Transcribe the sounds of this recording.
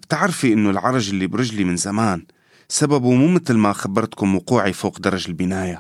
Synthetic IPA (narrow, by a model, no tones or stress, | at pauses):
b̥t̪ɪʕɾfiʔɪnːʊlʕɑɾˤɑʒʔɪlːibɾɪʒlimɪnzamaːn | sababumuːmɪt̪lmaxabːɑɾˤt̪kʊmwʊquːʕifoːqd̪ɑɾˤɑʒɪlbɪnaːja